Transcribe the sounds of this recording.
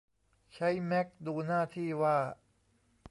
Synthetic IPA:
t͡ɕʰa˦˥jmɛ˦˥k̚duː˧naː˥˩t̪ʰiː˥˩waː˥˩

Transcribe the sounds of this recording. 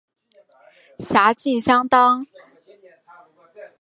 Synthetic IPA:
ɕja˧˥t͡ɕʰi˥˩nɕjɑ˥ŋt̪ɑ˥ŋ

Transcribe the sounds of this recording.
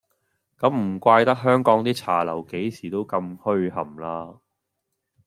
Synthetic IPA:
kɐ˨˥mm̩˨˩kʷaː˧jt̪ɐ˥k̚ɦœː˥ŋkɔː˨˥ŋt̪iː˥t͡sʰaː˨˩lɐ˨˩wke˨˥jsiː˨˩t̪o˥wkɐ˧mhɵ˥ɥhɐ˨˩mlaː˥

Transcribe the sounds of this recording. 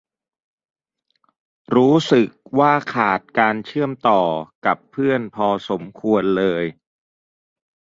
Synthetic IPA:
ɾuː˦˥sɯ˨˩k̚waː˥˩kʰaː˨˩t̪̚kaː˧nt͡ɕʰɯ˥˩əmt̪ɔː˨˩ka˨˩pʰːɯ˥˩ənpʰɔː˧so˩˦mkʰu˧ənlɤː˧j

